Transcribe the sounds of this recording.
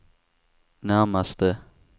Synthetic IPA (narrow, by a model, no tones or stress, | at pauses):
naːmast̪ə